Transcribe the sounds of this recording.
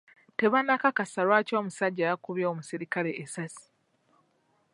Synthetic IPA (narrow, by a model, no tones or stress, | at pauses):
te̞βanːakakasalwaːco̞ːmusaɟːaːjakuβjooːmusiɾikale̞ʔesasi̥